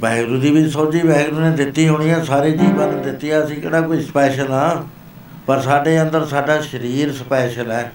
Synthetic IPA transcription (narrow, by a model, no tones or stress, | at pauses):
bɛːɡɾũːd̪iːbɪt͡ʃsoːt͡ʃiːbɛːɡɾuːnẽːd̪ɪt̪ːiːɦʊːɽ̃ɪjãːsaːɾeːd͡ʒiːbaɾəd̪ɪt̪ːijãːəsĩːkḛːɽaːkoisə̥pɛːʃənaː | pəɾsaːɖeːənd̪əɾsaːɖaːʃəɾiːɾsəpɛːʃənɛː